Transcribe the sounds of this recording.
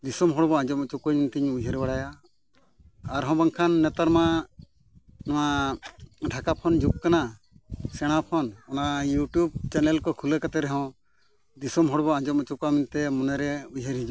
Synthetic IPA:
d̪isɔmɦɔɽbɔãd͡ʒɔmɔt͡ʃukɔɲint̪ʰiɲujɦɛɾbaɽaja | ɾɦɔ̃baŋkʰanːɛt̪aɾma | nɔwa | ɖʱakapʰɔnd͡ʒuk̚kana | sɛɽ̃apʰɔnɔnajuʈjub̚t͡ʃɛnɛlkɔkʰulɛkat̪ɛɾɛɦɔ̃ | d̪isɔmɦɔɽbɔãd͡ʒɔmɔt͡ʃukamint̪ɛmɔnɛɾɛujɦɛɾɦid͡ʒu

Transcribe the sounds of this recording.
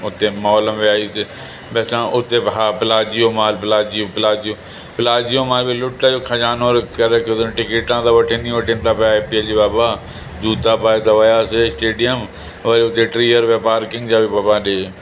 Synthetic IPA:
ʊt̪ːeːmɔːləmʋɪaːiːt̪e | bɛːsãːʔʊt̪ːeːpɦaːpəlaːd͡ʒijoːmaːlpəlaːd͡ʒijoːpəlaːd͡ʒjoː | pəlaːd͡ʒjõːmaːlbiːlʊʈːaːd͡ʒoːkʰad͡ʒaːnoːɾkəɾeːket̪ːnʈɪkeːʈãːd̪aːʋəʈʰẽːnĩːʋəʈʰẽːmt̪aːpːpiəld͡ʒiːbaːbaː | d͡ʒuːt̪aːpaːet̪aʋajaːsesʈeːɖɪjəm | ʋəɾeʊt̪ːẽːʈɾiːəɾʋeːpaːɾkɪ̃ŋɡd͡ʒaːʋiːbaːbãːɗeː

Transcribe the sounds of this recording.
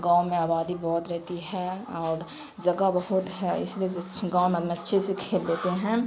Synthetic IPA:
ɡãːwmẽaːbaːd̪ibɔːt̪ɾɛɦt̪iɦɛɔːɾ | d͡ʒɐɡabɐɦʊt̪ɦɛɪ̰slieɡãːomẽd̪mẽɐtːʃʰesekʰeːlleːt̪eɦɛ̃ː

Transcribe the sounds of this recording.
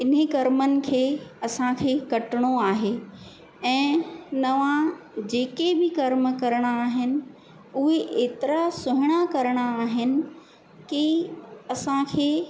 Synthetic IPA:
ɪnekɐɾmənɪ̆kʰeːɐsãkʰeːkɐʈɪɽ̃oaːɦeː | ɛ̃ːnɐʋãd͡ʑeːkebɪkɐɾmkɐɾɽ̃aːɦɪnɪ̆ | ʊɦeʔeːt̪ɪɾasʊɦɪɽ̃akɐɾɽ̃aːɦɪnɪ̆ | kiɐsãkʰeː

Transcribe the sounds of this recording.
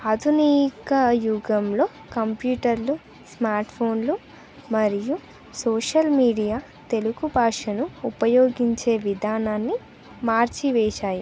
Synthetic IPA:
aːd̪ʱuniːkɐjuɡɐmlo̞ː | kɐmpjuːʈɐɾlu | smaːɾʈpʰo̞ːnlu | mɐɾiju | soːʂɐlmiːɖijaː | t̪e̞lukubʱaːʂɐnuːpɐjo̞ːɡiɲt͡ʃe̞ːʋid̪ʱaːnaːnːi | maːɾt͡ʃiʋɛːʃaːji

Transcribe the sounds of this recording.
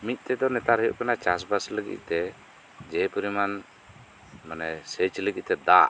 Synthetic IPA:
mit̪̚ˀt̪ɛd̪ɔnɛt̪aɾhəjṵʔkanat͡ʃasbasləɡḭʔ̪̚ˀt̪ɛ | d͡ʒɛpəɾiman | manɛsət͡ʃləɡiˀt̪ɛd̪a̰ʔ

